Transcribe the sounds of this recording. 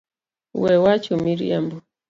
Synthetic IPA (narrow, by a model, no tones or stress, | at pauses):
wɛwat͡ʃumiɾḭa̰mbɔ